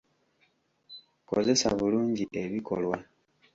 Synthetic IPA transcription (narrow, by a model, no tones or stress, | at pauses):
ko̰ze̞sa̰βuluːɲɟiʔe̞βiko̞̰lwa